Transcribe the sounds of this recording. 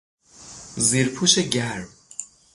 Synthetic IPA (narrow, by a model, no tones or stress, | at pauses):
ziɾpʰuːʃeɟæɾ